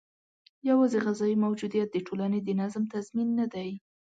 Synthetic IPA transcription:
jawɑzeɣazɑjimawd͡ʒud̪ijat̪̚d̪əʈolaned̪ənazmt̪azminːad̪aj

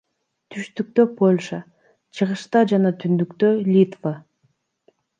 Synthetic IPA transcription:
t̪ʰyʃt̪yk̚t̪ø̞pʰo̞lʲʃə | t͡ʃʰɯʁɯʃt̪ɑd͡ʒɑnɑt̪ʰynd̪ykt̪ølʲit̪və

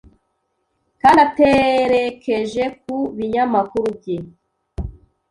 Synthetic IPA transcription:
kaːndateɾekʰe̞ʒe̞k̚uβiɲamakuɾubje

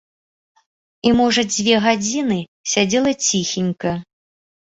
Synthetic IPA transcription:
imɔʐɐd͡zʲvʲɛɣad͡zʲinɨ | sʲad͡zʲɛlˠɐt͡sʲixʲinʲkɐ

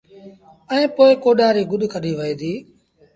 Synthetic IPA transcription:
ɛẽːpoːɪkoːɗaːɾiːɡʊɗkʰəɗʱiːʋəiːd̪iː

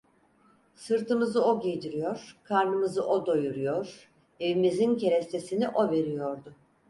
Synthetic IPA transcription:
sɯɾt̪ɯmɯzɯo̞ɟejd̪iɾijoɾ̥kʰaɾnɯmɯzɯʔod̪o̞juɾujoɾ̥ | e̞vimizincʰe̞ɾɛst̪ʰe̞siniʔo̞ve̞ɾijoɾd̪ʊ

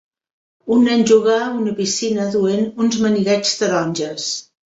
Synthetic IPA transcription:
unːɛɲʲʒuɣaunəpisinəðuenunzməniɣɛt͡ʃzd̪əɾɔnʲʒəs

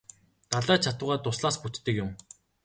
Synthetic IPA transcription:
t̪aɮæːt͡ɕʰat̪ʊ̆ːʁaːt̪ʊsɮaːsput̪ːɘ̆kjʊm

